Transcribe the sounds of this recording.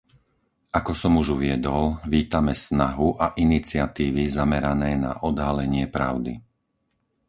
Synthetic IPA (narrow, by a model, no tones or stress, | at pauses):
akɔsɔmuʒuʋɪɛd̪ɔlʋiːt̪amɛsnaɦuʔaʔinit͡sɪat̪iːʋizamɛɾanɛːna̰ʔɔd̪ɦalɛɲɪɛpɾa̰ʊd̪ḭ